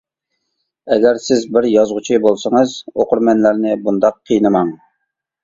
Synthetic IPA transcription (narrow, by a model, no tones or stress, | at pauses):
ɛɡʲɛɾsɪzbɪɾjɑzʁʊt͡ʃʰibolˠsəŋəɨzoqʊɾmɛnlæɾnɪbund̪ɑqʰːijnɨmɑŋ